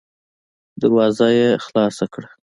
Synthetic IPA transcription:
d̪aɾwɑzajexlɑsakɽa

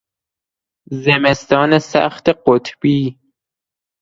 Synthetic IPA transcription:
zemest̪ɒːnesæ̰xt̪eqot̪ʰbiː

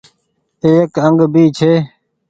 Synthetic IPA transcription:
t̪eːekəŋɡbiːt͡ʃʰeː

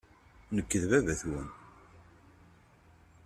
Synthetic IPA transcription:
nəkːəðvævæθwən

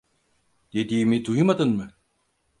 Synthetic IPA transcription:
d̪̥ed̪iːmid̪ujɯmad̪ɯnmɯ

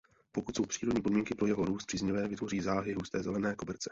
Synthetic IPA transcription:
pokut̪so̞wpr̥iːɾod̪ɲiːpo̞dmiːŋkɪpɾo̞jɛɦo̞ɾuːst̪̚pr̥izɲɪvɛːvɪt̪vo̞riːzaːɦɪɦuːst̪ɛːzɛlɛnɛːkobɛɾt͡sɛ̥

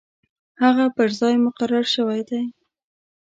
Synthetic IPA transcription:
haɣapəɾzɑjmʊqaɾaɾʃəwajd̪aj

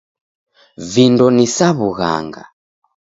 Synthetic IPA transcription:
vindɔnisaβuɣa̰ŋɡa̰

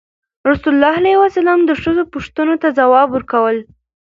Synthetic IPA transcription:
ɾʊsʊlːɑɦalajwasalɑmd̪əʂəzopʊʂt̪ənot̪azawɑbwəɾkawəl

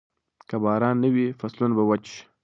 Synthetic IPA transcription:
kəbɑːɾɑnːəwifaslunabawat͡ʃʃ

